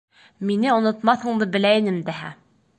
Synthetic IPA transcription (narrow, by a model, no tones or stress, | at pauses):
minɘŏnŏt̪mɑθhɤ̆ɴd̪ɤbɘ̆læjɘnɘmd̪æɦæ̰